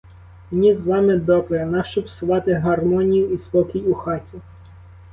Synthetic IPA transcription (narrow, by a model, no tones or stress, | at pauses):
mnʲizʋɑmɪd̪ɔbɾenɑʃt͡ʃɔpsʊʋɑt̪ɪɦɐrmɔnʲijʊispɔkʲijuxɑtʲi